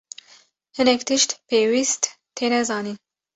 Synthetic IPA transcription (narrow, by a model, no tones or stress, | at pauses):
hɨnɛkt̪ɨʃt̪peːwist̪ | t̪ʰːeːnɛzɑːniːn